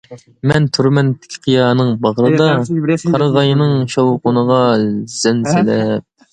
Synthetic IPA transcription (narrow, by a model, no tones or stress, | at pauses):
mɛnt̪ʰyɾmɛnt̪ʰːɪ̥kʲʰqʰijɑːnɨŋbɑʁɾɨd̪ɑqʰɑɾʁɑjnɨŋʃowqʊnəʁɑz̥ɛnsɪlɛp̚